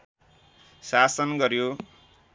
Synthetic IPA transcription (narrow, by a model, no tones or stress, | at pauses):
sasʌnɡʌɾjo